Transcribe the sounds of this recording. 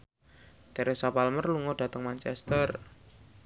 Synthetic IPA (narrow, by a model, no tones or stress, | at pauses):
d̪̥aɾɛsapalmərluŋɔɖ̥a̤t̪əŋmant͡ʃɛst̪ər